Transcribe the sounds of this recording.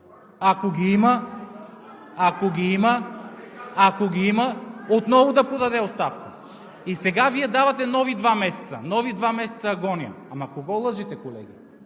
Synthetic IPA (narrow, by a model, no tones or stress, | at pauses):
akoɡʲiima | koɡʲiimaː | koɡʲiimaot̪nɔvod̪apɾod̪ad̪ɛot̪st̪afka | isɛɡaviɛd̪avat̪ɛnɔvid̪vamɛsɛ̥t̪sa̰nɔvid̪vamɛsɛ̥t̪saɡɔnia̰ | amakoɡɔlˠəʒit̪ɛkolɛ̰ɡʲi